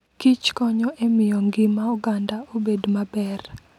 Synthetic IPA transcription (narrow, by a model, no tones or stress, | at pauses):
kit͡ʃkɔɲɔʔemɪjɔŋɡɪmauɡandaobedmabɛr